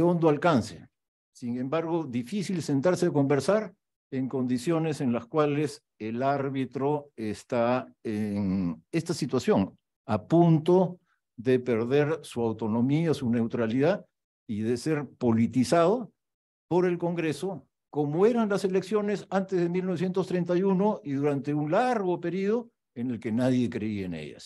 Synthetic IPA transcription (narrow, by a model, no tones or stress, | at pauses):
o̞nd̪oalkansḛ | siŋe̞mbaɾɣo̞ðifisilse̞nt̪aɾseko̞mbe̞ɾsaɾ | e̞ŋko̞nd̪isjo̞ne̞se̞nlaskwale̞s | elaɾβit̪ɾo̞est̪aeŋe̞st̪asit̪wasjo̞ŋ | apunt̪o̞ | ðe̞pe̞ɾðe̞ɾsuawt̪o̞no̞miasune̞wt̪ɾaliða | iðe̞se̞ɾpo̞lit̪isað̞o | po̞ɾe̞lko̞ŋɡɾe̞so̞ | ko̞moe̞ɾanlase̞le̞ksjo̞ne̞sant̪ezðemilnoes̬je̞nt̪ost̪ɾe̞nt̪̬ajuno̞iðuɾant̪e̞uŋlaɾɣo̞pe̞ɾið̞o | ene̞lke̞naðje̞kɾe̞ienḛʝa̰s